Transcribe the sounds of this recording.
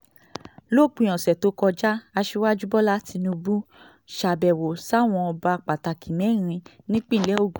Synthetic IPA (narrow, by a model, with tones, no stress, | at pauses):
lo˦˨k͡pũ˧˦ɔ̃˨sɛ˨to˨˦kɔ˧d͡ʒa˦a˧ʃi˧wa˦d͡ʒu˦bɔ˦la˦ti˧nũ˧bũ˦ | ʃa˨bɛ˨wo˨sa˦˨w̃ɔ̃˧ɔ˧ba˧˦˨k͡pa˨ta˨ki˨mɛ̃˨˦˨ɾ̃ĩ˧ | nĩ˦k͡pĩ˦˨lɛ˦o˦˨ɡu˨